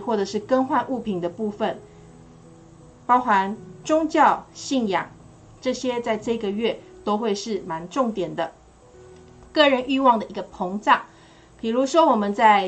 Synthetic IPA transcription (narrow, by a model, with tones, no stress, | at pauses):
xwɔ˥˩ʈ͡ʂɤ˨˩ʂɻ̩˥˩kə˥nxwa˥˧nʔu˥˩pʰi˨˩nd̪ə˦pu˥˧fə˨n | pɑ˥ʊxa˧˦nʈ͡ʂʊ˥ŋt͡ɕjɑ˥˨ʊɕi˥˩njɑ˨˩˦ŋ | ʈ͡ʂɤ˥˩ɕjɛ˥t͡sa˥˧ɪʈ͡ʂɤ˥˧i˧ɡə˨ɥɛ˥˩t̪o˥ʊxwe˥˧ɪʂɻ̩˥˩ma˧˥nʈ͡ʂʊ˥˩ŋt̪jɛ˨˩nd̪ə˦ | kɤ˥˩ɻə˧˦nʔy˥˧wɑ˥˩ŋd̪ə˨ʔi˧˥ɡə˧pʰo˧˥ŋt͡sɑ˥˩ŋ | pi˨˩ɻu˧˥ʂwɔ˥wɔ˨˩mə˨nt͡sa˥˧ɪ